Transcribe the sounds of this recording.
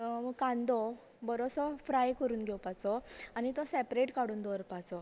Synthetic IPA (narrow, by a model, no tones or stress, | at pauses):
məɡkãnd̪ɔ | bəɾosɔfɾajkəɾuːnɡʱewpat͡sɔañit̪ɔsɛpɾeʈkaɽuːnd̪ʱɔɾpat͡sɔ